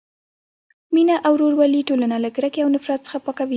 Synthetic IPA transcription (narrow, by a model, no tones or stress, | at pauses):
minaʔawɾoɾwaliʈolanalaɡɾakeawnɪfɾat̪̚sə̥xapɑkawi